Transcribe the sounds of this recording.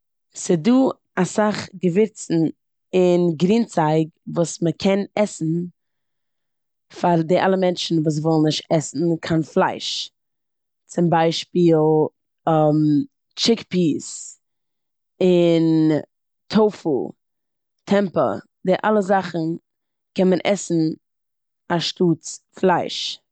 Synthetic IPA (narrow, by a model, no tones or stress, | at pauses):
sɪduː | asaχɡəvɪɾt͡sn̩ | ɪnɡɾiːnt͡saɪɡvuːsməkʰɛnɛsn̩ | faɾdɪʔa̰lˠəmɛnt͡ʃn̩vuːs̬vɔlˠn̩nɪʃtɛsn̩kʰanflˠaɪʃ | t͡sɪmbaɪʃpiːlˠ | ɛm | t͡ʃɪkpiːs | ɪn | tʰoʊfṵ | tʰɛmpə̰ | dɪʔa̰lˠəzaχn̩ | kɛnmənʔɛsn̩ | aʃtuːt͡sflˠaɪʃ